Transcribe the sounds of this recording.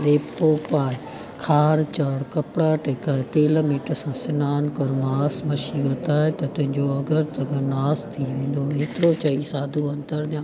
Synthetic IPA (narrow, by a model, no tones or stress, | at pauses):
ɗeːpoːpaːɦɪ | kʰaːɾt͡ɕɐɽkɐpɪɽaʈeːkaːet̪eːlmiːʈəsãsɪnaːnkɐɾmaːsmɐʃiʋɐt̪aːɦet̪ɐt̪ʊ̃ɦɪ̃ɲd͡ʑoɐɡəɾt̪ɐɡənaːst̪ʰiʋẽːn̆d̪oɦeːt̪ɪɾot͡ɕɐisaːd̪ʱuɐ̃nt̪əɾd̪jãː